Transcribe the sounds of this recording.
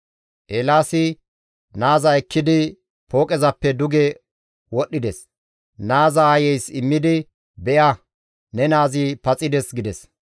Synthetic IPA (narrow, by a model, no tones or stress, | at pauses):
ʔeːlaːsɪ | naːzɐɛkːɪd̪ɪ | pʰo̞ːkʼɛzɐpːɛd̪ʊɡɛ | wɔɗːɪd̪ɛs | naːzɐːjɛjsɪmːɪd̪ɪ | bɛʔɐ | nɛnaːzɪpɐt͡sʼɪd̪ɛsɡɪd̪ɛs